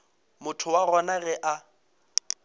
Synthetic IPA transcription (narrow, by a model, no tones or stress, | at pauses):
mʊtʰʊwaɣɔnaɣɛʔa